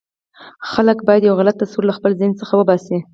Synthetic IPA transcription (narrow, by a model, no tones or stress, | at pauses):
xaləkbɑjad̪jawɣalat̪ːasuɾlaxpəlzɪnt͡səxawəbɑsi